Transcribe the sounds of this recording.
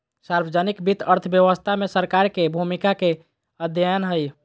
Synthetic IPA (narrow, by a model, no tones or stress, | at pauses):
saɾbəd͡ʒənikbit̪əɾt̪ʰəbjəʋəst̪ʰamesəɾkaɾkebʱumikake | əd̪ʱjəjənɦəj